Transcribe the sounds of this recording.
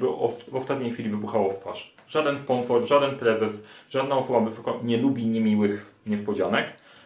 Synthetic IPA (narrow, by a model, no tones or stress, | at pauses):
bɘɔvɔst̪at̪ɲejxʲfʲilʲivɘbuxawɔft̪t̪faʂ | ʐad̪ɛnspɔnsɔɾʐad̪ɛnpɾɛzɛsʐad̪naɔsɔbavɛsɔkɔɲɛlubʲiɲɛmʲiwɘxɲɛspɔd͡ʑanɛk